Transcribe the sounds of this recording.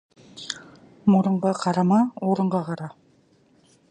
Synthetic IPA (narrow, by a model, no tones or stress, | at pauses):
mŏɾɤ̆ɴɢɑqʰɑɾɑmɑuɾɤ̆ɴɢɑqɑɾɑ